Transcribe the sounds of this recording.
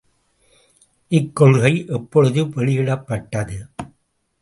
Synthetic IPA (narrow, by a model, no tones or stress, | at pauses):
ʔɪkːɔɻɣɐɪʔɛpːɔɻɯðɯʋɛɻɪjɪɽɐpːɐʈːɐðɯ